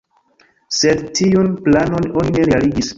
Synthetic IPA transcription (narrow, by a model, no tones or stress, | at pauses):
se̞dtiunplano̞nonine̞ɾealiɡis